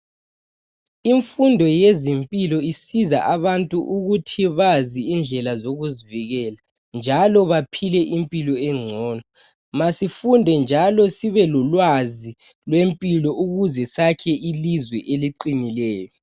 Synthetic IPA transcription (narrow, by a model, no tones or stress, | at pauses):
iɱfundʱɔjezimpʼilɔisiza̰ʔaβantʼuʔuɣutʰiβaziːnd͡ɮʱɛlazoɣuziviɣɛla | nd͡ʒʱalɔβapʰilɛʔimpʼilɔɛŋ͡ǀʱɔːnɔ | masifundʱɛnd͡ʒʱalɔsiβɛlɔlwazi | lwempʼilɔʔuɣuzɛsakʰɛʔilizwɛʔeliǃinilɛːjɔ